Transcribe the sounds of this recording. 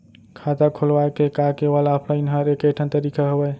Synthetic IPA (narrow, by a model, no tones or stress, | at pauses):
kʰat̪akʰolwakekakewalaːpʰɾainɦaɾekəʈʰənt̪əɾikʰaɦəbəj